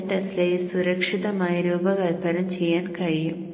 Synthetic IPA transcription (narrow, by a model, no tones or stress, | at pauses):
ʈːeslɐjilsuɾɐkʂiðɐmaːjɐɾuːbɐɡɐlbɐɾɐmt͡ɕe̞jːaːnkɐɻijum